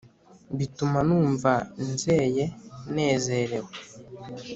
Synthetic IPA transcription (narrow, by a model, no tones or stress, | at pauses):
bitumanuːɱvanze̞ːje̞ne̞ːzeɾe̞we